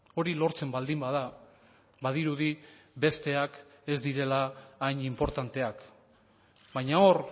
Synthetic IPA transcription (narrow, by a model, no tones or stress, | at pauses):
o̞ɾilo̞ɾt͡se̞mbald̪imbaða | βaðiɾuðibe̞st̪e̞ake̞zd̪iɾe̞laːjɲimpo̞ɾt̪ant̪e̞ak | bajɲao̞ɾ